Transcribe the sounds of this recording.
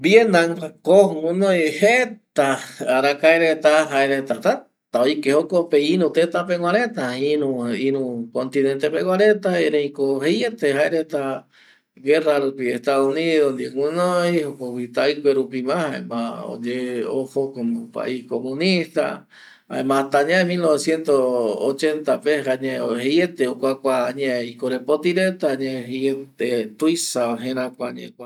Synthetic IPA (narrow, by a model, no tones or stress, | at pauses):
bjend̪aŋkakoŋũnõjhet̪aaɾakaeɾet̪aɦaeɾet̪at̪a | t̪aojkehokopeiɾũt̪et̪apeŋwaɾet̪ainũĩɾũkont̪inent̪epeɡwaɾet̪aeɾẽjkoɦejet̪ehaeɾet̪a | ɡeraɾupieht̪aðuniðond̪ieŋʷũnojhokowit̪ajkʷeɾupimãhaḛmão̰d͡ʒeohokomõpa̰ʔihkomũnist̪a̰ | a̰ẽmãt̪aɲãemilnoβesjent̪oot͡ʃent̪apehaɲẽohejet̪eokʷakʷaːɲãikoɾepot̪iɾet̪aɲãɦeet̪et̪ujsaaɦẽɾ̃ãkʷaɲḛ̃kʷa